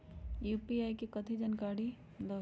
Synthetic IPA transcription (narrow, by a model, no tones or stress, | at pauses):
jupiajkikət̪ʰid͡ʒənkaɽi | d̪ɔ